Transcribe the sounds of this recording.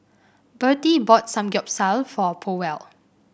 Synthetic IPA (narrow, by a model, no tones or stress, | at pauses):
bətibɔt̚sãmɡɔp̚salfɔpʰowɛl